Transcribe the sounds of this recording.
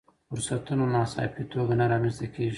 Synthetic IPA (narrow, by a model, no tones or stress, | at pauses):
fʊɾsat̪unonɑsɑ̰pit̪ʰoɡanaɾɑmenst̪akʰʲeʒi